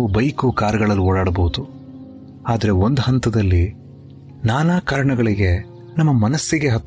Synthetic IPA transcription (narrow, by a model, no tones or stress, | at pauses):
ubɐjkukaːɾɐɡɐɭɐlːiɔːɽaːɽɐbɐwud̪u | aːd̪ɐɾe̞ond̪uɦɐnt̪ɐd̪ɐlːi | naːnaːkaːɾɐɳɐɡɐɭiɡe̞ | nɐmːɐmɐnɐsːiɡe̞ɦɐt̪ː